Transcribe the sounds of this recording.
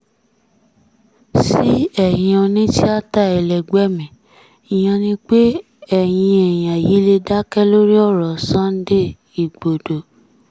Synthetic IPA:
si˦ɛ˦˨jĩ˧ɔ˧nĩ˦ti˦a˦ta˦˨ɛ˨lɛ˨ɡ͡bɛ˦mĩ˨ | i˨j̃ã˧nĩ˧k͡pe˦ | ɛ˦˨j̃ĩ˧ɛ˨j̃ã˨ji˨˦le˧da˦kɛ˦lo˦ɾi˦ɔ˦˨ɾɔ˨sã˦n̩˦de˦ | i˨ɡ͡bo˨do˨

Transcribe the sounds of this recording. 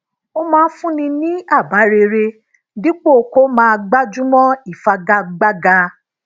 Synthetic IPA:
o˧mãː˦˧˦fũ˦nĩ˧nĩ˦a˦˨ba˨˦ɾe˧ɾe˧ | dĩ˦k͡po˦˨ko˦mãː˧ɡ͡ba˦d͡ʒũ˦mɔ̃˦i˦˨fa˧ɡa˧ɡ͡ba˦ɡa˧

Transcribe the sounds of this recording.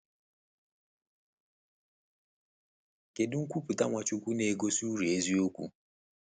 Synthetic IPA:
ke˨dʊ˦ŋ̩˦kʷu˦pu˨ta˦ŋʷa˨t͡ʃu˦kʷu˦ne˨ɡo˦su˦ɾi˨e˦zi˦o˦kʷṵ˦

